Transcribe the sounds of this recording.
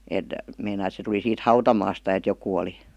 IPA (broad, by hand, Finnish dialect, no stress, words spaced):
eˑt meinɑi et se tuli siːt hɑutɑmɑːstɑ et jokuˑ oli